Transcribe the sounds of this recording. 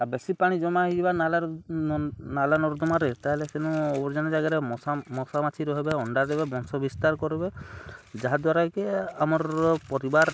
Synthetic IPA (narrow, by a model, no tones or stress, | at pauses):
abesipaɽ̃id͡ʒɔmaɦid͡ʒibanala | nalanɔɾd̪ɔmaɾet̪aɦelesenuɔbɔɾd͡ʒanɔd͡ʒaɡaɾeɔsamɔsamat̪ʰiɾɔɦebeɔɳɖad̪ɛbebɔnsɔbist̪aɾkɔɾebed͡ʒaɦad̪waɾakeamɔɾpɔɾibaɾ